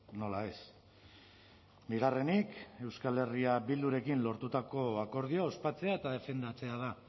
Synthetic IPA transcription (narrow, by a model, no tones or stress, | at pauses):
no̞lae̞s | biɣare̞nike̞wskale̞riaβild̪uɾe̞kinlo̞ɾt̪ut̪ako̞ako̞ɾð̞ioao̞spat͡se̞aet̪aðe̞fe̞nd̪at͡se̞að̞a